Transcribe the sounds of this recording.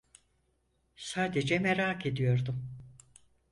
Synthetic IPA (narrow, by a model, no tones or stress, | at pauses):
saːd̪ed͡ʒɛmeɾaːkʰe̞d̪ijo̞ɾd̪um